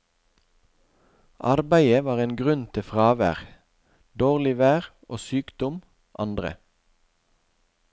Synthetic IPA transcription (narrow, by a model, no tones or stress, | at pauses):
ʔɑʁbæɪəʋɑːʁeːnɡʁʉnt̪ʰɪfʁɑːʋæ̰ːʁ | d̪oːʁlɪʋæːʁ | o̰ːsyːkd̪ɔm | ʔɑ̰nd̪ʁə̰